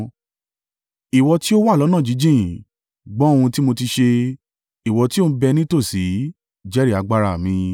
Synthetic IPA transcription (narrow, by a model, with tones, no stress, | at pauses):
i˨wɔ˧ti˦o˦wa˦˨lɔ˨˦nã˦˨d͡ʒi˨˦d͡ʒĩ˦˨ | ɡ͡bɔ̃˦õ˦˧ũ˧ti˦mo˧ti˧ʃe˧ | i˨wɔ˧ti˦o˦˧ũ˧bɛ˧nĩ˦to˦˨si˨˦ | d͡ʒɛ˦ɾi˦˨a˧ɡ͡ba˧ɾa˦˨mĩ˧